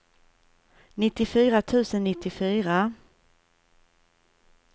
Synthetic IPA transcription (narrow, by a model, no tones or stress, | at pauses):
nɪt̪ːɪfyːɾat̪ʰʉ̟ːsənːɪt̪ːɪfyːɾa